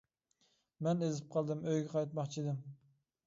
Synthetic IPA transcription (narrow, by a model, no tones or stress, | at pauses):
mɛnezɪp̚qʰɑlˠd̪ɪmøjɡʲɛqʰɑjt̪mɑχt͡ʃʰid̪ɪm